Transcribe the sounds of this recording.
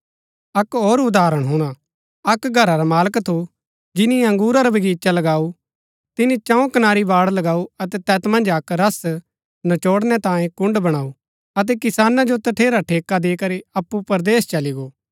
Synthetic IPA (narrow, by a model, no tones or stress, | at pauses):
ɐkoːɾʊd̪aːɾəɽ̃ɦuɽ̃a | ɐkɡʱɐɾaɾamaːləkt̪ʰu | d͡ʒɪnĩɐ̃ŋɡuːɾaɾɐbɐɡiːt͡ʃalɐɡaːu | t̪ɪnĩt͡ʃãõkɐnaːɾibaːɽlɐɡaːuɐt̪ɛt̪ɛːt̪mɐ̃nd͡ʒɐkɾɐs | nɐt͡ʃoːɽnɛt̪ãːẽkʊ̃ɳɖbɐɽ̃aːu | ɐt̪̬ɛkɪsaːnad͡ʒot̪ɐʈʰeːɾaʈʰeːkad̪eːkɐɾiɐpːupɐɾd̪eːst͡ʃɐliɡoː